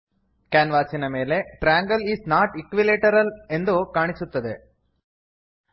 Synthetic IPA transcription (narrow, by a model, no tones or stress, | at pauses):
kaːnʋaːsinɐme̞ːle̞ʈɾaːŋɡɐlisnaːʈikʋileːʈɐɾɐle̞nd̪ukaːɳisut̪ːɐd̪e